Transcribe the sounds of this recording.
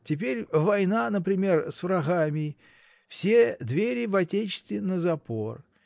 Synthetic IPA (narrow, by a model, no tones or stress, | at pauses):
tʲɪp̬ʲeɾʲvɐjnanəpɾʲɪmʲe̞rsvɾɐɣamʲɪ | fsʲed̪vʲeɾʲɪvɐtʲet͡ɕɪ̥st̪vʲɪnːəzɐpo̞r